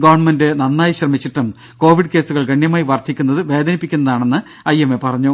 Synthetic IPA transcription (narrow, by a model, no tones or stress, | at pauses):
ɡɐʋɐrɳmendɨnɐnːaːjiɕrɐmit͡ɕːiʈːum | ko̞ːʋiɖɨke̞ːsuɣɐɭɡɐɳjɐmaːjiʋɐrt̪ʰikʲːunːɐðɨʋe̞ːd̪ɐnipːikʲːunːɐðaːɳe̞nːɨ | ɐjemːepɐrɐɲːu